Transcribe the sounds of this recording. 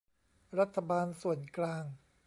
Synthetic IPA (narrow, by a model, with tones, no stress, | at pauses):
ɾa˦˥t̪ʰːa˧baː˧nsu˨˩ənklaː˧ŋ